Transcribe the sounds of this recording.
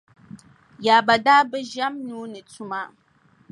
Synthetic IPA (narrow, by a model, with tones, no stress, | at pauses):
ja˨ba˨daː˦bɛ˦ʒa˦mnu˦nɨ˨tʰu˦ma˦